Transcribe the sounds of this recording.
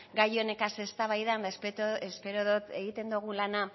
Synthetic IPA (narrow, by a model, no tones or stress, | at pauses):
ɡajone̞kase̞st̪aβajðand̪aspt̪oespe̞ɾoðot̪eɣit̪e̞nd̪uɣ̞ulana